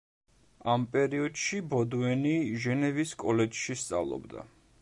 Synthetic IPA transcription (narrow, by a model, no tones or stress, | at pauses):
ampʼɛɾiɔd̪̥ʃibɔd̪uɛniʒɛnɛviskʼɔlɛd͡ʒʃist̪sʼa̰vlˠɔ̰bd̪a̰